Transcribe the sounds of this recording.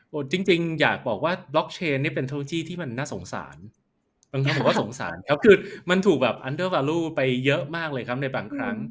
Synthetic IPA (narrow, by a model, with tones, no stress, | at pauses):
ʔoː˨˩t͡ɕi˧ŋt͡ɕi˧ŋjaː˨˩k̚bɔː˨˩k̚waː˥˩blɔ˦˥k̚t͡ɕʰeː˧nːi˥˩ɐpe˧nt̪ʰe˦˥loː˧jiː˥˩t̪ʰiː˥˩ma˧nːaː˥˩so˩˦ŋsa̰ː˩˦n | baː˧ŋkʰa˥mbɔː˨˩waː˥˩so˨˩˦ŋsa̰ː˩˦nkʰa˦˥p̚kʰɯː˧ma˧nt̪ʰuː˨˩k̚bɛː˨˩p̚ʔa˦˥ndɤː˥˩waː˧luː˥˩pa˧jːɤ˦˥ʔmaː˥˩k̚lɤː˧jkʰa˦˥p̚na˧jbaː˧ŋkʰɾa˦˥ŋ